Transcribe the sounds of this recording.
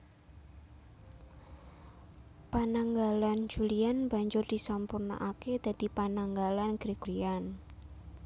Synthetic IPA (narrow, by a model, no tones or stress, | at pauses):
panaŋɡaland͡ʒulianba̤ɲd͡ʒʊrd̪̥isampurna̰ʔaked̪̥a̤d̪̥ipanaŋɡalanɡ̥ɾeɡ̥uɾian